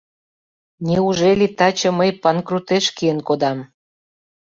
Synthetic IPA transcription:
nʲeuʒelʲit̪ɑt͡ɕɤ̆məjpɑnkrut̪eʃkijənkod̪ɑm

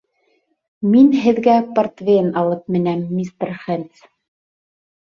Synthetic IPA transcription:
minɦɘ̆ðɡæpɐrt̪vʲenɑlˠɤp̚mɘ̆næmːist̪rχent̪s

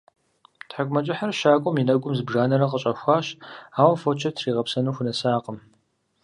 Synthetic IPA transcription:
tħaɡʷmɐt͡ʃʼɪħɐrʃaːkʷʼʊminɐɡʷʼʊmzɨbʒaːnɐɾɐqəɕʼɐxʷaːɕaːwɐfot͡ʃʰɐtʰriːʁɐpsɐnuːxʷʊnɐsaːqəm

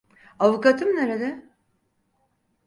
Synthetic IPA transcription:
avukat̪ʰɯmneɾed̪ɛ

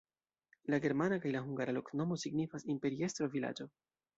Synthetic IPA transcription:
laɡe̞ɾmanakajlaɦuŋɡaɾalo̞kno̞mo̞siɡnifasimpe̞ɾie̞st̪ɾo̞vila̰d͡ʒo̞

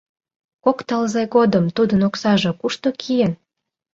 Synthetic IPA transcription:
kokt̪ɑlzeɣod̪əmt̪ud̪ənoksɑʒo̽kuʃt̪okʰijən

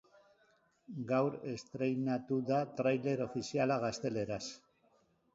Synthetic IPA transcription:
ɡawɾe̞st̪ɾe̞jnat̪uðat̪ɾajle̞ɾo̞fisialaɣ̞ast̪e̞le̞ɾas

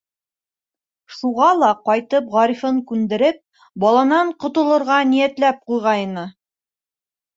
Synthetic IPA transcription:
ʃuʁɑlˠɑqɑjt̪ɤpʁɑɾifɤɴkʉnd̪ɘ̆ɾɘp̚ | bɒlˠɑnɑɴqŏt̪ŏlˠɤ̆ɾʁɑnijæt̪læp̚qujʁɑjɤ̆nɤ

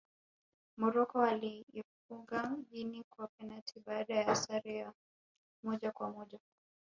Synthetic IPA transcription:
mɔɾɔkɔaliːfuŋɡamʄinikwapɛnatʰiɓaːɗajaasaɾɛa | mɔʄakwamɔʄa

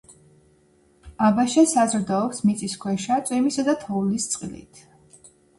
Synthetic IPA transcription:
abaʃasazɾd̪ɔɔpsmit̪sʼiskʰwɛʃat̪ʼwimisad̪at̪ʰɔulist̪sʼqʼilḭt̪ʰ

